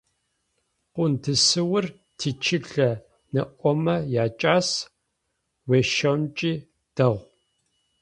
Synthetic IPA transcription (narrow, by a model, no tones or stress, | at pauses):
qʷʊndʰɨsɨwʊr | tʰiːt͡ʃʰɪɬɐ | nɨʔʷɔmɐjaːt͡ʃʼaːs | weːʃɐmt͡ʃʼiː | d̥ɐʁʷ